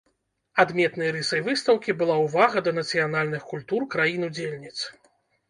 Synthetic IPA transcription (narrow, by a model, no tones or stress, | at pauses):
ad̪mʲɛt̪nɨjɐɾɨsɐjvɨst̪ɐwkʲibɨlˠawvaɣɐd̪ɐnɐt̪sɨjanalʲnɨxkulʲt̪urkɾajinud͡zʲelʲnʲit̪s